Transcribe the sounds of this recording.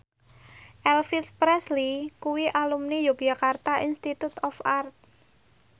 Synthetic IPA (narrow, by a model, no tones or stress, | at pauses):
ʔɛlfit̪̚pɾɛslikuwiʔalumnijok̚d͡ʒakart̪aʔinst̪it̪ut̪ɔfart̪̚